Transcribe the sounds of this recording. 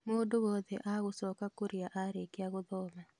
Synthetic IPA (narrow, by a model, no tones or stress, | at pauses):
modoβɔðḛʔaɣʊsɔkakuɾjaʔaɾekɪaɣʊðɔma